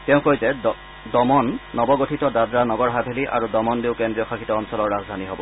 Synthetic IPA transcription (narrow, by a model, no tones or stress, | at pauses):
tɛʊ̃kojzɛ | dɔmɔnːɔbɔɡotʰitɔdadɹanɔɡɔɹɦabʱeliʔa̰ɹudɔmɔndeʊkendɹijɔxʰaxitɔːnsɔlɔɹːazdʱaniɦobɔ